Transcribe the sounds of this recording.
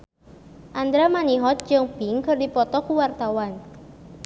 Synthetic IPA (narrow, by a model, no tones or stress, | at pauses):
ʔand̪ɾamaniɦɔt̪̚d͡ʒɨŋpiŋkɨrdipɔt̪ɔkuwart̪awan